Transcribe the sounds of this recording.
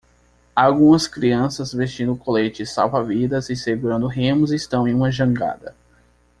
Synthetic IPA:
awɡũmɐskɾiɐ̃sɐzvest͡ʃĩnd̪ʊkolet͡ʃɪsa̰wvavid̪ɐzɪseɡuɾɐ̃nd̪ʊɦẽmʊzist̪ɐ̃w̃ẽj̃ũmɐʒɐ̃ŋɡa̰d̪ɐ

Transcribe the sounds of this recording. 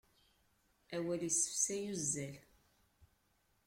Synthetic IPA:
æwælisə̥fsæjuzːæl

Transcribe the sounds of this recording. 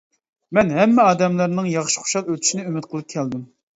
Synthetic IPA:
mɛnɦɛmːɛɑːd̪ɛmlˠɑɾnɨŋjɑχʃi̥χo̥ʃɑlˠøt̪ʰy̥ʃinɪymɪt̪̚qʰəlˠɨp̚kʲʰɛld̪ɪm

